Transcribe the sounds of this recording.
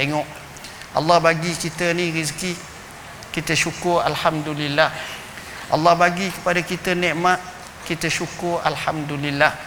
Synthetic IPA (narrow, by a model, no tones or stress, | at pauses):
t̪eŋɔʔ | ʔɑ̰lːɑhbaɡikit̪ənĩɾiski | kit̪əʃukʊra̰lhamd̪ulilːah | ʔɑ̰lːɑhbaɡikə̥padakit̪ənɛʔmaʔ | kit̪əʃukʊra̰lħamd̪ulilːah